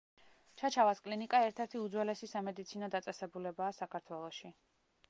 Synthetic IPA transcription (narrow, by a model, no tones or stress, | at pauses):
t͡ʃʰat͡ʃʰavaskʼlinikʼaɛɾt̪ʰɛɾt̪ʰiud̪zwɛlɛsisamɛd̪it̪sʰinɔd̪at̪sʼɛsɛbulɛbaːsakʰaɾt̪ʰwɛlˠɔʃi